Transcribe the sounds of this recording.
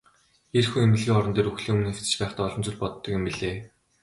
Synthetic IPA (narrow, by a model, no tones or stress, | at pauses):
erxuŋemɘ̆ɮɣeːɔɾɞ̆nt̪eːɾuxɮiːŋumɘ̆neft͡sɘ̆t͡ɕpæːχt̪aːɔɮɞ̆mt͡sʊ̆ɮpɔt̪ːɞ̆kjʊ̆mpiɮeː